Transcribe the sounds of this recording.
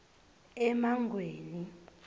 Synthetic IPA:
ɛmaŋɡʱweːni

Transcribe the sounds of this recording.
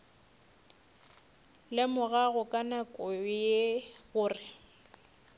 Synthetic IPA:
lɪmʊɣaɣʊkʼanakʼɔjeɣʊːrɪ

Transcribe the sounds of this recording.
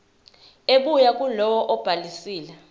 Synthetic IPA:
eɓujak̬ʼulɔwɔʔɔb̥ʱalisiːlɛ

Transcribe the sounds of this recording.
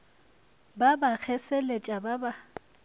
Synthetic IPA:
babak͡xʰɛselet͡ʃʼababa

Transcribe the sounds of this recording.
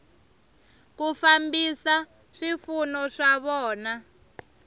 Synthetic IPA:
kufambisa | ʂifunɔʂaβɔːna

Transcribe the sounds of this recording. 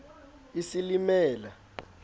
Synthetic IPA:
isilimɛːla

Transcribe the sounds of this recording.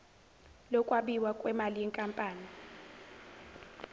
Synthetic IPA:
lɔkʼwaɓiwakʼwɛmalijɛŋkʼampʼaːni

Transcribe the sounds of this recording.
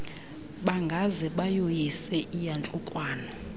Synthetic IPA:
ɓaŋɡʱazɛɓajojisɛʔijant͡ɬʼukʼwaːnɔ

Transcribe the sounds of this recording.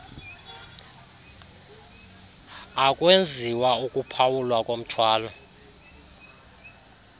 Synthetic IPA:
akʼwend͡zʱiwaukʼupʰawulwakʼom̩tʰwaːlɔ

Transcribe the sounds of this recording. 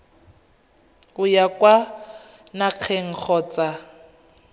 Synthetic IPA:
ʊjakwa | naq͡χʰeŋ̩χʰɔːt͡sa

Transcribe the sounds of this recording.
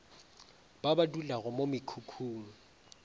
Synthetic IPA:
b̥abadulaɣʊmomɪkʰukʰuːŋ̩

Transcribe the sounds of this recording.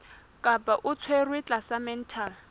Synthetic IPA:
kʼapʼaʔʊt͡sʰwerwɪt͡ɬʼasamɛn̩tʰal

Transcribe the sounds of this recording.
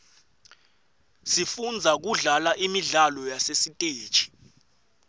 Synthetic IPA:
sifund͡zʱak̬uɮalaʔimiɮalɔjasesitʼeːd̥t͡ʃʰʼi̥

